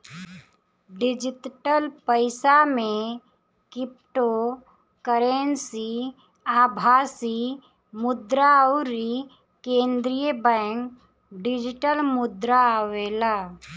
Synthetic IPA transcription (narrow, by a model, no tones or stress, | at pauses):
ɖɪd͡ʒɪt̪ʈəlpəɪsamẽ | kɪp̚ʈo | kəɾensi | aːbʱaːsi | mʊd̪ɾaɾi | kẽːnd̪ɾijəbɛ̃ːŋk | ɖɪd͡ʒɪʈəlmʊd̪ɾaːweːla